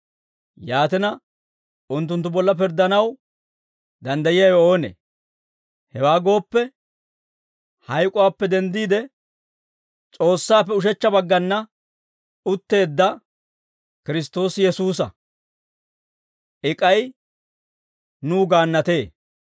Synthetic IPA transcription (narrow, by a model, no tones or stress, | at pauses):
jaːt̪ɪnɐ | ʊnt̪ːʊnt̪ːʊbɔlːɐp̬ɪɾd̪ːɐnɐw | d̪ɐnd̪ɐjɪjɐjo̞ːnḛ | hɛwaːɡo̞ːpːɛ | hɐjkʼʊwaːpːɛd̪ɛnd̪iːd̪ɛ | t͡sʼo̞ːsːaːpːɛʊʃ̬ɛt͡ʃːɐbɐɡːɐnːɐ | ʊt̪ːe̞ːd̪ːɐ | kɪɾɪs̬t̪o̞ːsjɛsuːs̬ɐ̰ | ʔɪkʼɐj | nuːɡaːnːɐt̪e̞ː